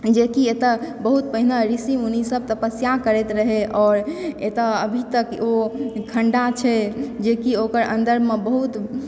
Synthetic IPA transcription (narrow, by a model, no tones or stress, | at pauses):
d͡ʒekiet̪əbəɦut̪̚pəɦinaɾisiunisəb̚t̪əpəsjakəɾɛt̪ɾəɦeʔɔːɾet̪əəbʱit̪əkokʰəɳɖat͡ʃʰɛd͡ʒekiokəɾə̰̃nd̪əɾmebəɦut̪